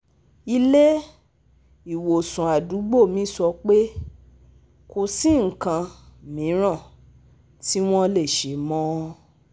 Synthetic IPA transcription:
i˧le˦ | i˨wo˨sũ˨a˨du˨˦ɡ͡bo˦˨mĩ˨˦sɔ˧k͡pe˦ | ko˧si˦˨ŋ̩˨kã˧mĩ˨˦ɾ̃ã˦˨ | ti˦w̃ɔ̃˦le˦˨ʃe˨˦mɔ̃˦

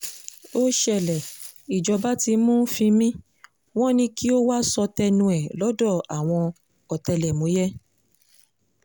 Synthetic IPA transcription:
o˦ʃɛ˦˨lɛ˨ | i˨d͡ʒɔ˨˧ba˦ti˧mũ˦fĩ˧mĩ˦ | w̃ɔ̃˦nĩ˧ki˦o˦wa˦sɔ˧tɛ˧nũ˧ɛ˨lɔ˨˦dɔ˦˨a˨w̃ɔ̃˧ | ɔ˨tɛ˧lɛ˨mõ˨˦jɛ˦

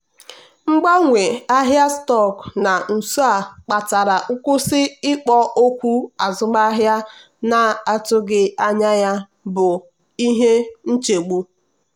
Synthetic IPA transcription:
ŋ͡m̩˦ɡ͡ba˦ŋʷe˨a˦ɦja˦stɔ˦˨kna˨n̩˨su˦a˦˨k͡pa˨ta˨ɾa˨ʔʊ˦kʊ˦sɪ˦ɪ˦k͡pɔ˦ʔo˦kʷu˦a˨zʊ˦ma˦ɦja˦ | na˨˦a˨tʊ˦ɡɪ˦a˦ɲa˦ja˦ | bʊ˨ | i˦ɦe˦n̩˦t͡ʃe˨ɡ͡bu˦

